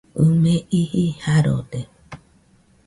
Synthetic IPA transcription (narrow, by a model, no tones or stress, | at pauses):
ɨmẽʔihihaɾo̰de